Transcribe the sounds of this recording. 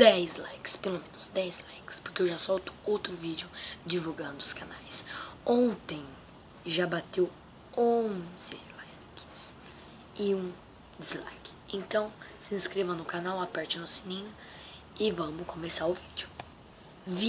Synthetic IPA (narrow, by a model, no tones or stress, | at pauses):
d̪ɛzlajkɪ̥spelomẽnʊzd̪ɛjzlajkɪ̥spoɾkeewʒasɔwt̪ʊ̥owt̪ɾʊvid͡ʒʊd͡ʒivuɡɐ̃nd̪ʊʊskanajsõnt̪ẽj̃ | ʒabat̪ew | õz̥ɪ̰lajkɪ̥s | ɪũ | d͡ʒizla̰jkɪ̥ẽnt̪ɐ̃w̃sɪĩskɾevɐ̃nʊkanawapɛɾt͡ʃɪnʊsinĩɲʊ | ɪvɐ̃mʊskõmesaɾʊvid͡ʒʊ | vi